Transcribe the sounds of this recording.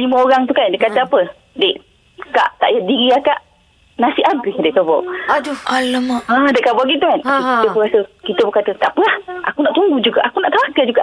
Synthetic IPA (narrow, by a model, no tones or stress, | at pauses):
liməoɾaŋt̪ukandekat̪əapə | deʔ | ka̰ʔt̪a̰ʔjadiɾiaka̰ʔ | nasiʔabɪhdɛʔkabɔ̰ | aləmədaʔkabɔɡit̪ukankiit̪əbəkasəkit̪əbəkat̪ət̪apəlahʔa̰kunaʔt̪uŋɡud͡ʒuɡaʔakunaʔt̪awakad͡ʒuɡaʔ